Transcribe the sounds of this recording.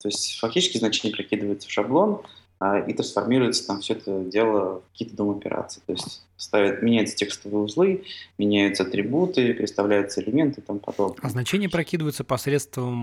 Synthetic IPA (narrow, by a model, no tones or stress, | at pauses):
t̪o̞ɪsʲtʲfɐktʲit͡ɕɪskʲɪznɐt͡ɕenʲɪjəpɾɐkʲid̪ɨəvəjɪt̪sə̥fʂɐblˠo̞n | aḭt̪ɾənsfɐrmʲiɾʊjɪt̪sə̥t̪amfsʲɵɛt̪ədʲe̞lˠəkɐ̥kʲijət̪əd̪ompʲɪ̰ɾa̰t̪sɨt̪o̞ɪsʲtʲ | st̪avʲɪt̪mʲɪnʲæjʊt̪sə̥tʲekst̪əvɨʊzlˠɨmʲɪnʲæjʊt̪səɐt̪ɾʲɪbut̪ɨpʲɾʲɪt̪st̪ɐvlʲæjʊt̪səɪlʲɪmʲent̪ɨt̪ampɐ̰d̪o̞bnəɐznɐt͡ɕenʲɪjəpɾɐkʲid̪ɨvəjʊt̪səpɐsɾʲet̪st̪vəm